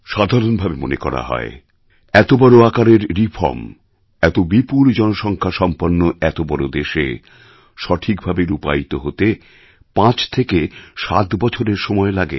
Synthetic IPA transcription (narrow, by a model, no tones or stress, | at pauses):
ʃad̪ʱaɾonbʱabemo̰nekɔ̰ɾa̰ɦɔ̰e | ɛt̪obɔɾoakaɾeɾːifʰɔ̰ɾm | ɛt̪obipuld͡ʑɔnoʃɔŋkʰaʃɔmpanːoɛt̪obɔɾod̪eʃe | ʃɔʈʰikbʱabeɾupait̪oɦot̪e | pãt͡ɕʰt̪ʰekeʃat̪bɔt͡ɕʰoɾeɾʃɔmɔelaɡḛ